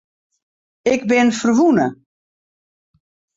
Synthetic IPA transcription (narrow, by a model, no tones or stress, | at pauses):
ɪɡbɪnfərʋunə